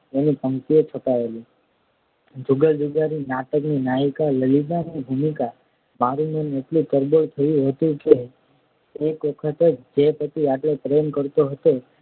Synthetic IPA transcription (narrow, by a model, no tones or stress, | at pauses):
enipə̃ŋt̪iet͡ʃʰoʈaeli | d͡ʒuɡəld͡ʒuɡaɾinaʈəkninaɦikaləlid͡ʒanibʱumika | maɾunəneʈlit̪əɾboɭt̪ʰəjũɦət̪ũkeː | kʋəkʰət̪ed͡ʒd͡ʒepət̪iaʈlepɾemkəɾt̪oɦət̪o